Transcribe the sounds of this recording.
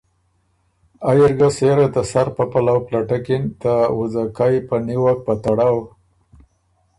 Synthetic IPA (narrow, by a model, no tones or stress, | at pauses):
ajɪɾɡaseɾat̪əsaɾpapalawplaʈakint̪awʊzakaipəniwak̚pət̪aɽaw